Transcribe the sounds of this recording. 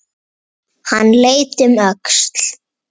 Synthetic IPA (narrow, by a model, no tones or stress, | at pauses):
hanːleːjt̪ʏmœkst̪l̥